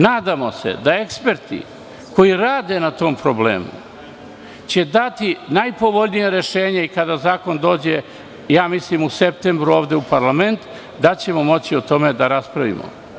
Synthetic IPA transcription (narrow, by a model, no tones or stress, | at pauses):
naːd̪amo̞se̞̰d̪ae̞kspeɾt̪ḭ | ko̞jiɾaːd̪e̞nat̪o̞ːmpɾo̞blḛːmṵ | t͡ɕe̞d̪at̪inajpo̞ʋo̞ʎnijeɾe̞ʃe̞ːɲeikad̪azaːko̞nd̪o̞ːd͡ʑe | jaːmislimusep̚t̪embɾuo̞ːʋd̪eupaɾlame̞nt̪ | d̪at͡ɕe̞mo̞mo̞t͡ɕiot̪o̞me̞d̪aɾaspɾaʋḭmo̰